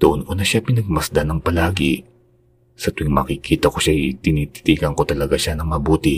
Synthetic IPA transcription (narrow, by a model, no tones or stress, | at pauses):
d̪̥oʔonʔonɐʃapɪnɐɡ̚mɐsd̪anɐŋpɐlaːɡɪ̰ | sɐt̪ʊɪŋmɐkɪkʰiːt̪ɐko̞ʃajt̪ɪnit̪i̥t̪iːkɐŋko̞t̪ɐlɐɡaʃanɐŋmɐbuːt̪ɪ